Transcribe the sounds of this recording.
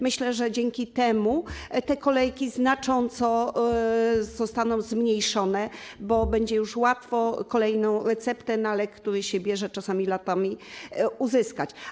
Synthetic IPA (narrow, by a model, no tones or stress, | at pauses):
mɘɕlɛʐɛd͡ʑɛŋkʲit̪ɛmut̪ɛkɔlɛjkʲiznat͡ʂɔnt̪sɔ | zɔst̪anɔ̃w̃zmɲejʂɔnɛbɔbɛɲd͡ʑɛjuʂwat̪fɔkɔlɛjnɔ̃w̃ɾɛt̪sɛpt̪ɛnalɛkːt̪uɾɘɕɛbʲjɛʐɛt͡ʂasamʲilat̪amʲiuzɘskat͡ɕ